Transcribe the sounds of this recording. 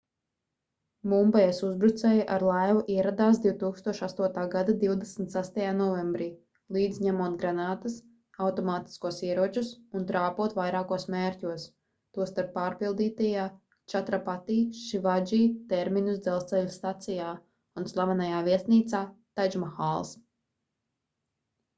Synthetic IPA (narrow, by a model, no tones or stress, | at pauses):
mumbaɛsuzbɾut̪sɛːjaʔaɾlˠajvuʔiɛɾad̪aːs̬d̪iwt̪uːkst̪uɔʃast̪uɔt̪aːɡad̪ad̪iwd̪ɛsmt̪sast̪ajaːnɔvembɾiː | lˠiːd̪zɲamuɔt̪̚ɡɾanaːt̪əs | awt̪ɔmaːt̪i̥skuɔsiɛɾuɔt͡ʃusunt̪ɾaːpuɔt̪vajɾaːkuɔsmeːɾʲcʲuɔs | t̪uɔst̪aɾpːaːɾpilˠd̪iːt̪ajaː | t͡ʃat̪ɾapat̪iːʃivad͡ʒiːt̪ɛɾminusd̪zɛlˠst̪sɛlʲst̪at̪sijaː | unslˠavanajaːviɛst̪niːt̪saːt̪ajd͡ʒmaxalˠs